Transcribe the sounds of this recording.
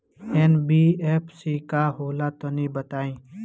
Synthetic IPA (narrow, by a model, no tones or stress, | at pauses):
eːnbiːeːpʰsiːkaːɦoːlaːt̪onĩːbət̪aːĩː